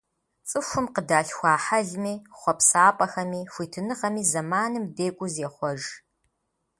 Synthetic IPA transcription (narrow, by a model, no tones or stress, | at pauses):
t͡sʼɨfʷʊmqədaːɬxʷɑːħɐɮmiːχʷɔpsaːpʼɐxɐmiːʃʷiːtʰɨnɨʁɐmiːzɐmaːnɨmdeːkʷʼʊzeχʷɔʒ